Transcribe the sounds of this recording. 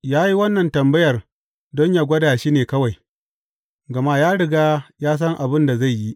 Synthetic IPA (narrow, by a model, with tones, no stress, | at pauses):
jaː˦ji˦wɐ˦nːɐ˨ntɐ˨mbɐ˦jɐ˨r | dɔ˦ɲjaː˨ɡʷɐ˦daː˨ʃiː˦neː˨kɐ˦wa˨j | ɡɐ˨ma˦jaː˦ɽɪ˨ɡaː˦jaː˦s̬ɐ˦ŋʔa˨bɪ˦nda˨za˦˨jji˦